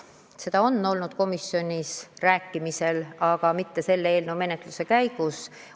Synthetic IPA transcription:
se̞d̪̥ɑo̞nːo̞lnud̪̥ko̞misjo̞nʲisræːkːimise̞lɑɡ̥ɑmit̪ːe̞se̞lːee̞ːlnewme̞ne̞t̪ˑluse̞kæjɡ̥us

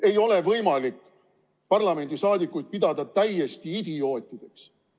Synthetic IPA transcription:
e̞jo̞le̞vɤjmɑlikːˑ | pɑrlɑme̞nd̪̥isɑːd̪ikːˑujd̪̥̚pid̪̥ɑd̪̥ɑt̪æjːe̞st̪iid̪̥io̞ːt̪ʲːˑid̪̥e̞ks

